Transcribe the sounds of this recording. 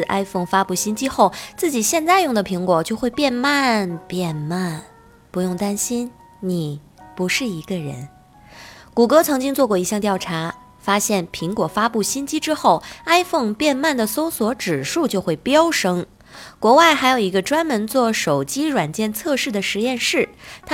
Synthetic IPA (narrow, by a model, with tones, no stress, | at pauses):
ʔa̰˥ɪfo˥˩ŋfa˥pu˥˩ɕi˥nt͡ɕi˥xo˥˩ʊt͡sɹ̩˥˩t͡ɕi˨˩ɕjɛ˥˧nt͡sa˥˧ɪjʊ˥˩ŋd̪ə˩pʰi˧˥ŋkwɔ˨˩t͡ɕjo˥˧ʊxwe˥˧ɪpjɛ˥˧nma˥˧npjɛ˥˧nma˥˩n | pu˧˥jʊ˥˩ŋt̪a˥nɕi˥n | ni˨˩ | pu˧˥ʂɻ̩˥˩i˧˥ɡə˧ɻə̰˧˥n | ku˨˩kɤ˥t͡sʰɤ˧˥ŋt͡ɕi˥ŋt͡swɔ˥˧kwɔ˥˩i˧˥ɕjɑ˥˧ŋt̪jɑ˥˩ʊʈ͡ʂʰa˧˥ | fa˥ɕjɛ˥˩npʰi˧˥ŋkwɔ˨˩fa˥pu˥˩ɕi˥nt͡ɕi˥ʈ͡ʂɻ̩˥xo˥˩ʊa˥ɪfɤ˥˧ŋpjɛ˥˧nma˥˩nd̪ə˩so˥ʊswɔ˧˥ʈ͡ʂɻ̩˨˩ʂu˥˧t͡ɕjo˥˧ʊxwe˥˩ɪpjɑ˥ʊʂɤ˥ŋ | kwɔ˧˥wa˥˩ɪxa˧˥ɪjo˨˩ʊi˧˥ɡə˧ʈ͡ʂwa˥nmə˧˥nt͡swɔ˥˩ʂo˨˩ʊt͡ɕi˥ɻwa˨˩nt͡ɕjɛ˥˧nt͡sʰɤ˥˧ʂɻ̩˥˩d̪ə˩ʂɻ̩˧˥jɛ˥˧nʂɻ̩˥˩t̪ʰ